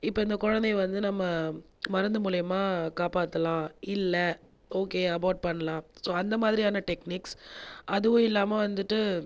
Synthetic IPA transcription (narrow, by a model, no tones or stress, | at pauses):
ɪpːoːɪnd̪ɐkʊɻɐnd̪ɛʋɐnd̪ɯnɐmːɐ | mɐɾɐnd̪ɐmuːlɐjɐmaːkaːpaːt̪ːɐlãːɪlːɐ | oːkeːɐbɐʊʈ̚pɐɳːɐlãːsoːɐnd̪ɐmaːðɪɾɪjaːnɐʈɛkniːksɐðɯʋʊ̃ɪlːaːmɐʋɐnd̪ɯʈːɯ